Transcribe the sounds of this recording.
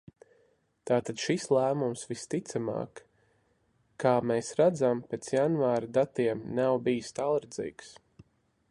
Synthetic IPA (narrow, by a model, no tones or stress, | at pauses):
t̪aːt̪ad̪̥ʃislˠæːmumsvist̪it̪sama̰ːk | aːmeːsɾad̪zampet̪sjanvaːɾad̪at̪iɛmnawbijst̪alˠɾd̪zḭːks